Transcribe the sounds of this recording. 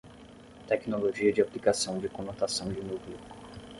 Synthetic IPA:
t̪ɛknoloʒiɐd͡ʒɪaplikasɐ̃w̃d͡ʒɪkõnot̪asɐ̃w̃d͡ʒɪnuwklu

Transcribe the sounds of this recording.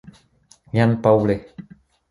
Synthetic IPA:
ɲanpawle

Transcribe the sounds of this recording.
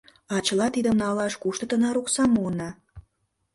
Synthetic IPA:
ɑt͡ɕəlɑt̪id̪ə̆mnɑlɑʃkuʃt̪ət̪ə̆nɑɾuksɑmuənɑ

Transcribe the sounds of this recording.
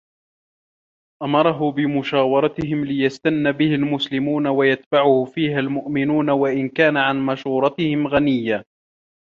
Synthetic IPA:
ʔamɑɾˤɑɦʊbɪmʊʃaːwɑɾˤɑt̪ɪhɪmlɪjast̪anːabɪhalmʊslɪmuːnawajat̪baʕʊhʊfiːɦalmʊʔmɪnuːnawaʔɪnkaːnaʕanmaʃuːɾˤɑt̪ɪhɪmɣanɪjːa

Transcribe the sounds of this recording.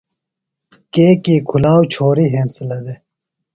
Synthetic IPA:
keːkiːkʰulaːwt͡ɕʰoːɾiɦẽːnsɐlɐd̪e

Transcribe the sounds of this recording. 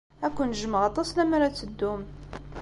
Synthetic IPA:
ækʷːʊnəʒəməʁɑt̪ˤɑsˤlæmæɾæt͡sːəd̪ːum

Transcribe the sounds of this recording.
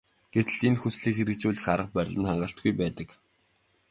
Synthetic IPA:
ɡ̥et̪ɘ̆ɮinxusɮiːkxeɾɘ̆kt͡ɕuːɮɘ̆xaɾə̆q̚pœɾʲɮə̆nχaɴɢə̆ɬt̪̚ɡujpæːt̪ə̆k

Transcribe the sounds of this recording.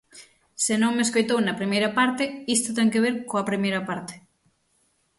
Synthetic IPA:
sɪnõŋmeskojt̪ownɐpɾimejɾɐpaɾt̪ɪist̪ʊt̪ɛŋkeβ̞eɾkoɐpɾimejɾɐpaɾt̪ɪ̥

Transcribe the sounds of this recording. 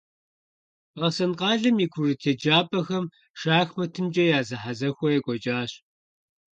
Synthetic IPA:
ɐsɐnqɑːɮɨmiːkʷʰʊrɨtʰeːd͡ʒaːpʼɐxɐm | ʂaːxmɐtʰɨmd͡ʒʼɐjaːzɨħazɐxʷɔjɛɡʷʼɔt͡ʃʼaːɕ

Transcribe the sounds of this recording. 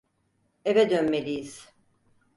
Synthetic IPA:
evɛd̪ønme̞lʲijiz̥

